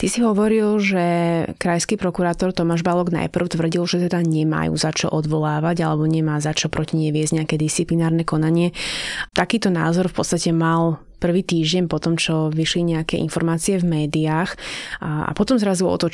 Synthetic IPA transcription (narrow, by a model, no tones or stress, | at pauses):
t̪isiɦɔʋɔɾilʒɛkɾajskiːpɾɔkuɾaːt̪ɔɾt̪ɔmaːʒbalɔɡna̰jpr̩ʊt̪ʋr̩ɟilʒɛt̪ɛd̪aɲɛma̰jṵzat͡ʃɔ̰ʔɔd̪ʋɔlaːʋaɟalɛbɔɲɛmaːzat͡ʃɔpɾɔciɲɛʋɪɛzɟɲɛakɛːd̪ist͡siplinaːɾnɛkɔnaɲɪɛt̪akiːt̪ɔnaːzɔɾfpɔtt͡st̪acɛmal | pr̩ʋiːt̪iːʒɟɛnpɔt̪ɔmt͡ʃɔʋiʃliɲɛakɛʔḭnfɔɾmaːt͡siɛvmɛːd̪iaːx | a̰pɔt̪ɔmzɾazuɔ̰t̪ɔ